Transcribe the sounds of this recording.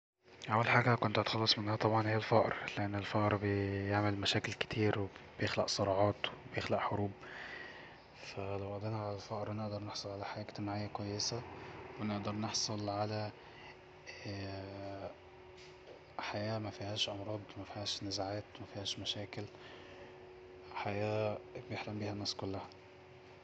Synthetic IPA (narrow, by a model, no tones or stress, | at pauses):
ʔæwːælħaːɡækont̪t̪xɑlːɑsˤmenhæhæt̪ˤɑbʕɑnhejælfæʔɾleʔenːelfæʔɾbejeʕmelmæʃæːkelke̥t̪ʰiːɾweb̥ejexlæ̰ʔsˤɑɾˤɑːʕɑːt̪webejexlæʔħoɾuːb | fælæwʔæʔd̪ˤenæʕalælfæʔɾˤwneʔd̪ɑɾˤneħsˤolʕalæħajæːʔkt̪emʕajːækwæjːesæweneʔd̪ɑɾˤneħsˤolʕalæ | ħajæːmæfihæːʃʔɑmɾˤɑːd̪ˤmæfihæːʃnezaʕæːt̪mæfihæːʃmæʃæːkel | ħajæːbejeħlæmbiːhænːæːskolːæhæ